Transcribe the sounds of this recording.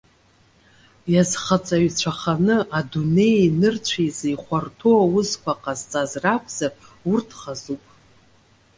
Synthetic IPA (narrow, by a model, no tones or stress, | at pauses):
jazχat͡sʼaɥt͡ɕʷʰaχanɨʔadune̞jnɨrt͡ɕʷʰajzaiχʷartʰoawʊzkʷʰaqʼazt͡sʼazrapʰz̥aurtʰχazupʼ